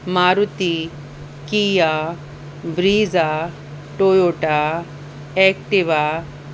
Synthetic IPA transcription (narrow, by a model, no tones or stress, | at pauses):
maːɾut̪i | kija | bɾiːza | ʈojoːʈa | ɛkʈiʋa